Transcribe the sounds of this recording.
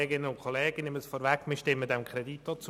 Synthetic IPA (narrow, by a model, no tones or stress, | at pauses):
eːɡɪnənʊnkʰχoleːɡ̥ənɪməsfɔːɾʋækmɪʃtɪmːədɛmkʰɾedit̚d̥ɔt͡su